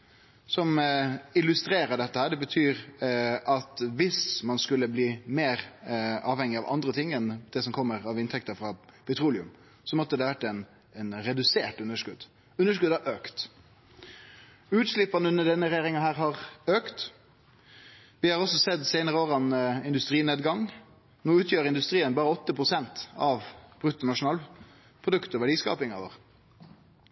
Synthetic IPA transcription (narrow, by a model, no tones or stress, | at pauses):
sɔmɪlʉst̪ɾeːɾəɖɛt̪ːəhæːɖɛbət̪ʰyːɾʔɑt̪ʋɪsmɑnskʉlːəbliːmeːʁɑːʋhɛŋːɪɑʋʔɑ̰nd̪ɾət̪ʰɪŋːɛnd̪̥ɛsɔmkʰɔmːəɾɑʋɪnt̪ʰɛk̚t̪əfɾɑpʰɛt̪ʰɾuːlɪʉ̰m | sɔmɔt̪ːəd̪ɛʋæʈːɛɪn | ɛnɾɛd̪ʉseːʈːʉnːəʂkʉd̪ | ʉnːəʂ̬kʉd̪ɑɾøːkt̪ | ʉːt̪ʂlɪpːɑnəʉnːəɖɛnːəɾeːɾɪŋɑhæːʁɦɑʁøːkt̪ | ʋɪhɑʁɔsɔsɛd̪sæɪnəʁəoːʁɑnɪnd̪ʉst̪ɾiːneːd̪ɡɑŋ | noːʉːt̪ʰjøːɾɪnd̪ʉst̪ɾiːənbɑːɾəɔt̪ːəpʰɾʊsɛnt̪ɑʋb̥ʁʉt̪ːɔnɑʂʊnɑːl | pʰʁʊd̪ʉkt̪ɔʋæɖiːskɑ̰ːpɪŋɑʋo̰ːʁ